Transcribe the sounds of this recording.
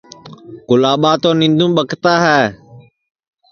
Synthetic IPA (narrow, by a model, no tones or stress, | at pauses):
kʊlaːɓaːt̪oːnɪ̃nd̪ũːɓəkʰt̪aːɦɛː